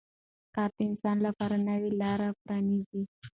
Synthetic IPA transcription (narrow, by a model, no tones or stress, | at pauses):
kɑɾd̪əɪnsɑnlapɑɾanawilɑɾapɾɑnizi